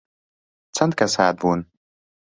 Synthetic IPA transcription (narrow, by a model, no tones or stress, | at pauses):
t͡sʰɐnt̪̚kasaːd̪̚bun